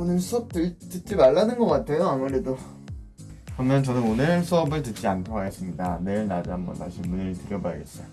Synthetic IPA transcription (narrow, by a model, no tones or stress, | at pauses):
onɯɭsʰuʌp̚t͈ɯtɯt̚t͡ɕ͈imaɭːanɯnɡʌk͈atʰe̞joamuɾe̞do | kɯɾʌmjʌnt͡ɕʌnɯnonɯɭsʰuʌbɯɭtɯt̚t͡ɕ͈iankʰoɦaɡe̞s͈ɯmɲidaneɯɭnad͡ʑambʌ̰ntaɕʰimunitɯɾjʌba̰ɭɡes͈ʌjo